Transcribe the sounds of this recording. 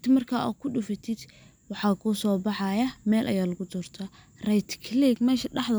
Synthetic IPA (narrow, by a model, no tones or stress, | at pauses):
t̪ʰɪmɐrkʰaːʔɔ̰ːkʰʊɖʊfɐt̪ʰɪd̪̥ | wɑħɑːkʰuːsɔːbɑħɑjɐmɛːlʔɐ̰jaːlɐɣʊd̪ɔːrt̪ʰaː | rɛjt̪ʰkʰliɡmɛːʃɐɖɑħd̪ɐ